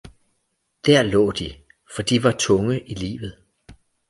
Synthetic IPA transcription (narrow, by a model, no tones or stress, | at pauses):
d̥æɐ̰lɔ̰̽ːd̥i | fɒ̽d̥iʋɑ̈t͡sʰɔ̽ŋəʔilḭːʋð̩ˠ